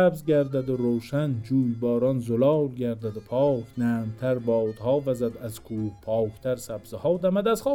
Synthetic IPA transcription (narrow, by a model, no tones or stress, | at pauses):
æbzɡʲæɾd̪æd̪ʊɾoːʃænd͡ʒuːjbɒːɾɒnzolɒwlɡʲæɾd̪æd̪ʊpʰɒːknæːmt̪ʰæɾbɒd̪hɒːvæzæd̪æzkʰuːhpʰɒːkʰt̪ʰæɾsæbz̥ɪhɒːd̪æmæd̪æzχɒː